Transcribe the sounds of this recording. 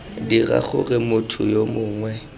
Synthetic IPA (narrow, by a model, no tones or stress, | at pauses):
dira̰χʊ̰rɪmʊtʰʊjomʊːŋwɛ